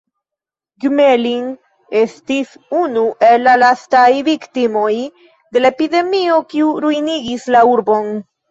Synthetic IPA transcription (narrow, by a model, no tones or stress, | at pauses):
ɡmeliŋ | e̞stis | unuʔe̞lːalastajviktimo̞j | de̞laepide̞mio̞kiuɾujniɡislauɾbo̞n